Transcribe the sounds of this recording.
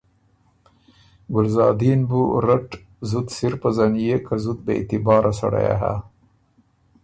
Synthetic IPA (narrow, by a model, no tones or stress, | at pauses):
ɡʊlzɑːd̪inbuɾaʈ | zʊt̪siɾpazanijekazut̪̚d̪əḛt̪ɪbɑːɾʔasa̰ɽa̰ja̰ɦa̰